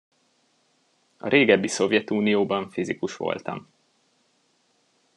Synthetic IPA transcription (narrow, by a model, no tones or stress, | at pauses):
ɒ̰ɾeːɡɛbːiso̞vjɛt̪uːnijoːbɒɱfizikuʃʋo̞̰lt̪ɒ̰m